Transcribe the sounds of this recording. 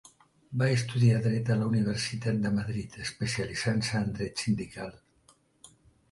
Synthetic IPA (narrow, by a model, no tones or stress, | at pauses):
baəst̪uðiaðɾɛt̪ələuniβ̞əɾsit̪at̪̚d̪əməðɾit̪əspəsializansəːnd̪ɾɛt̪sind̪ikalˠ